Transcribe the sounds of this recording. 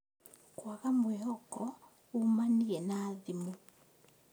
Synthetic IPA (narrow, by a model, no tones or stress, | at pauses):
kwaɣamwɛhɔkɔ | umaniɛnaːðimu